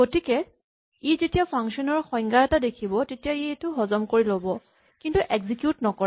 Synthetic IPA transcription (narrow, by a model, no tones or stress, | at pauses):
ɡotikɛ | izetijapʰaŋksɔnɔɹxɔjŋɡaɛtadekʰibɔtetijaitʊɦɔzɔmkoɹilobɔ | kintuʔɛɡzikjutnɔkɔ